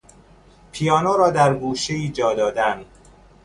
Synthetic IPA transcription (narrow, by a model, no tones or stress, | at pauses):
pʰijɒːnoɾɒːd̪æɾɡuːʃeiːd͡ʒɒːd̪ɒːd̪æn